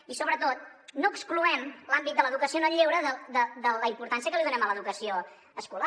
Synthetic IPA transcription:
isoβɾət̪ot̪̚noəkskluɛmlambit̪̚d̪ələðukəsionəʎewɾəðəðəd̪ələimpuɾt̪ansijəkəliðunɛmələðukəsio | əskula

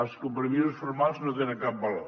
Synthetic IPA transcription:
ɐskompɾemisusfoɾmalˠznõt̪enɐkap̚bɐlo̰

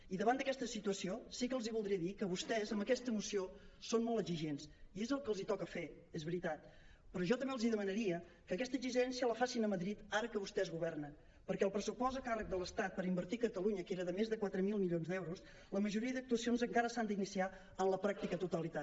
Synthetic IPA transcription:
iðəβand̪əkɛst̪əsit̪uəsiosikəlˠziβulˠd̪ɾiəðikəβust̪ɛzəmbəkɛst̪əmusiosonmɔlˠtəziʒensiezəlˠkəlˠzit̪ɔkəfe | ezβəɾit̪at̪ | pɾɔʒɔt̪əmbeəlˠziðəmənəɾiə | kəkɛst̪əziʒɛnsijələfasinəməðɾit̪aɾəkəβust̪ɛzɣuβ̞ɛrnə | pəɾkɛəlˠpɾəsupɔzəkarək̚d̪ələst̪at̪̚pəɾimbəɾt̪ikət̪əluɲəkeɾəðəmezðəkwat̪ɾəmilˠmiljonzd̪ɛwɾus | ləməʒuɾiəðək̚t̪uəsionzəŋkaɾəsand̪inisia | ənləpɾak̚t̪ikət̪ut̪əlit̪a

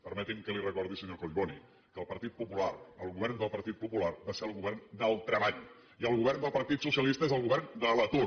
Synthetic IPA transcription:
pəɾmɛt̪iŋkəlirəkɔɾðisəɲokoʎβoni | kəlˠpəɾt̪it̪̚pupularəlˠɣuβɛɾnd̪əlˠpəɾt̪it̪̚pupularbaseəlˠɣuβɛrnd̪əlˠt̪ɾəβaʎ | iəlˠɣuβɛɾnd̪əlˠpəɾt̪it̪susjəlist̪əezəlˠɣuβɛɾnd̪ələt̪u

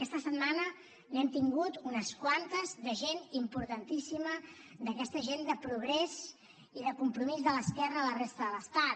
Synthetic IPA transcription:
əkɛst̪əsəd̪manə | nɛmt̪iŋɡut̪unəskwant̪əzðəʒenimpuɾt̪ənt̪isiməd̪əkɛst̪əʒend̪əpɾuɣ̞ɾɛz | iðəkumpɾumizðələskɛrəːlərest̪əðələst̪at̪

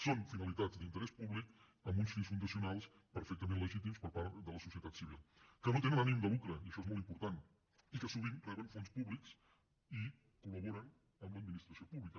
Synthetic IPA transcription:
sonfinəlit̪ad͡zzd̪int̪əɾɛspuβlik | əmbunsfinsfund̪əsiunalˠs | pəɾfɛk̚t̪əmẽnləʒit̪̬imspəɾpaɾt̪d̪ələsusiət̪at̪siβ̞ilˠkənot̪enənanimd̪əlukɾəiəʃɔezmɔlˠt̪impuɾt̪an | ikəsuβ̞inrɛβənfonspuβliks | i | kuləβoɾən | əmləd̪̚minist̪ɾəsiopuβlikə

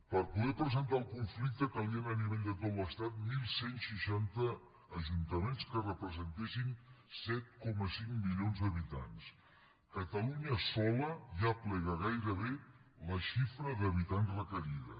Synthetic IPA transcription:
pəɾpuðɛpɾəzənt̪aəlˠkuɱflik̚t̪əkəliənəniβɛʎd̪ət̪ot̪ləst̪at̪̚milˠsensiʃant̪əː | ʒunt̪əmenskərəpɾəzənt̪esinsɛt̪̚kɔməsiŋmiljonzðəβit̪a̰ns | kət̪əluɲəsɔləʒaplɛɣəɣajɾəβeləʃifɾəðəβit̪ansrəkəɾiðə̰

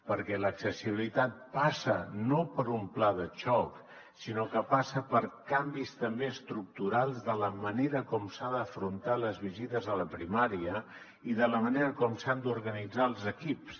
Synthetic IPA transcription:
pəɾkɛləksəsiβilit̪at̪̚pasənopəɾumplaðəʃɔk | sinokəpasəpəɾkambist̪əmbeəst̪ɾuk̚t̪uɾalˠzðələməneɾəkɔmsaðəfɾunt̪aləzβizit̪əzələpɾimaɾiə | iðələməneɾəkɔmsand̪uɾɣənid͡zaəlˠzəkips

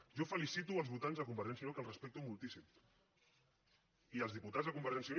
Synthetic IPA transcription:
ʒɔfəlisit̪uəlˠzβut̪anzðəkumbəɾʒɛns̬iunokəlrəspɛk̚t̪umulˠt̪isim | iəlzðiput̪azðəkumbəɾʒɛnsiun

